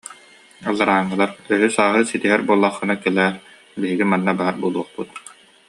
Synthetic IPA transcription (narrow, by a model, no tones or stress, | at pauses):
alˠːaɾaːŋːɯlˠaɾœɦysaːɦɯsit̪iɦɛɾbuɔlˠːaχːɯnakɛlɛːɾ | biɦiɡimanːabaɦaɾbulˠuɔχput̪